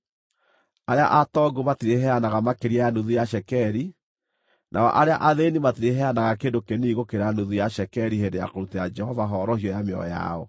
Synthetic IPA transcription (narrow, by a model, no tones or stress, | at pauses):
aɾea̰ʔatɔɡomatiɾeɦɛanaɣamakeɾiaanuðujaʃɛkɛɾi | nʔa̰ɔ̰ʔaɾeaʔaðenimatiɾeɦɛanaɣakendokeniɣokeɾanuðujaʃɛkɛɾiɦendeja̰koɾutɛad͡ʒɛhɔvaɦɔɾɔhijɔjameɔ̰ja̰ɔ